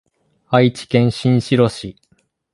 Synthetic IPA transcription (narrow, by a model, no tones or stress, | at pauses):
ait͡ɕi̥kẽ̞ɰ̃ɕĩɰ̃ɕiɾo̞ɕi